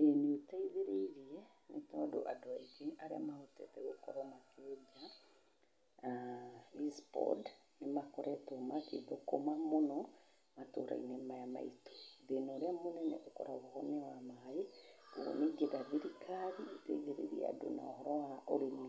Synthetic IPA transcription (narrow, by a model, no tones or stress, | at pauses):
eneotaiðeɾeɾiɛnetɔdo̰ʔadoaiɡeʔaɾeamahotɛ̰tɛɣokɔ̰ɾɔmaked͡ʒa | aispɔ̰d | nemakɔɾɛtomakḛðokomamonɔ | matoɾʔa̰ḭnemajama̰ito̥ðenoɾeamonɛnɛ̰ʔokɔ̰ɾaβohɔnewamaɦaio̰neɡedaðiɾikaɾiotaiðeɾḛɾiɛ̰a̰do̰na̰ohɔɾɔwaʔoɾene